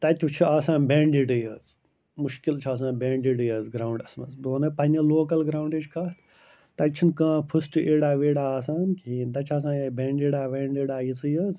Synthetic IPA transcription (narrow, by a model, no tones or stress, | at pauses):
t̪ɐt̪ʲt͡ʃʰuaːsãːnbeːɳɖiːɖɨjɐːz | muʃkilt͡ʃʰaːs̬ãːnbeːɳɖiːɖɨjɐːzɡɾaːuɳɖɐsmɐ̰zboːnɐpɐnʲɐloːkɐlɡɾaːwɳɖeːd͡ʒkaːt̪ʰ | t̪ɐt͡ʃʰunkãːpʰɨsʈɨʔeːɽaːʋeːɽaːaːs̬aːnkid̪ɐt͡ʃʰaːs̬ãːɐbeːɳɖeːɽaːʋeːɳɖeːɽaːjisɨjɐːz